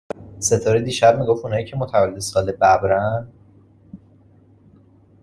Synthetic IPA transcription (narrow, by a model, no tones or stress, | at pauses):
se̞t̪ʰɒːɾed̪iːʃæb̚miːɡofunɒːiːcʰe̞mot̪ʰævæled̪esɒːlebæbɾæn